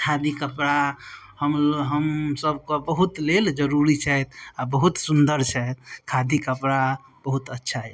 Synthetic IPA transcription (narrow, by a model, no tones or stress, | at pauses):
kʰad̪ikəpɾa | həmɦəmsəbʱkobəɦut̪leld͡ʒəɾuɾit͡ʃʰɛt̪ʰabəɦut̪sund̪əɾt͡ʃʰɛt̪̚kʰad̪ikəpɾa | b̥əɦut̪ətːʃʰaɦɛ̰